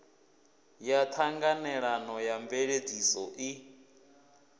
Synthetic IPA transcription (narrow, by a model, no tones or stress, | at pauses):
jat̪ʰaŋɡanɛɺanɔjambɛɺed͡zisɔʔi